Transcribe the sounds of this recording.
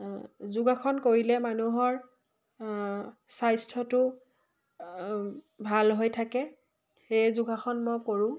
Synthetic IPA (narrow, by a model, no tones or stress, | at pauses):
zʊɡaxɔnkoɹilɛmanuɦɔɹ | sajstʰɔtʊ | bʱalɦojtʰakɛ | xejzuɡaxʰɔnmojkoɹʊ̃